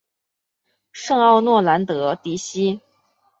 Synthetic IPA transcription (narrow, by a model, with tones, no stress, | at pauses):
ʂɤ˥˧ŋɑ˥˧ʊnwɔ˥˩la˧˥nt̪ɤ˧˥t̪i˧˥ɕi˥